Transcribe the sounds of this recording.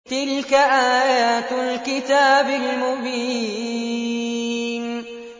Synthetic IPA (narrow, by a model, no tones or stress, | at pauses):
t̪ɪlkaʔaːjaːt̪alkɪt̪aːbɪlmʊbiː | n